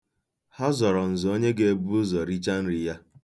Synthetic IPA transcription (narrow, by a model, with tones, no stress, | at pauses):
ha˦zɔ˨ɾɔ˨n̩˨zʊ˨o˦ɲe˦ɡe˦e˦bu˦ʊ˦zɔ˨ɾi˦t͡ʃa˦n̩˦ɾɪ˨ja˦